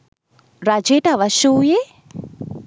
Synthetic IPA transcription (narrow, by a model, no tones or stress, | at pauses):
rad͡ʒetaʋaʃuːje